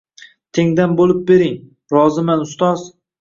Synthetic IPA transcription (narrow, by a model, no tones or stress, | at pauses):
t̪ʰeŋd̪anbolɪp̚beɾɪŋ | ɾɒzɪmanʊst̪ɒz